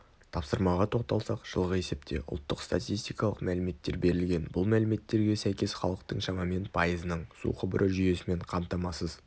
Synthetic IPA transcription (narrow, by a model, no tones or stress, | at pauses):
t̪ʰɑpsəɾmɑʁɑt̪ʰo̞q̚t̪ɑlˠsɑqʒ̥əlˠʁəe̞se̞pt̪ʰe̞̰ʔʊ̰lˠt̪ːəqst̪at̪ijst̪ijkɑlˠəqmælɪme̞t̪ːe̞ɾbe̞ɾɪlɡʲe̞nbʊlˠmælɪme̞t̪ːe̞ɾɡʲe̞sæjkʲe̞sχɑlˠəq̚t̪əɴʃɑmɑme̞npʰɑjəzənəɴsṵqʰʊbəɾʔəʒʏje̞sɪme̞ɴqʰɑmt̪ɑmɑsəz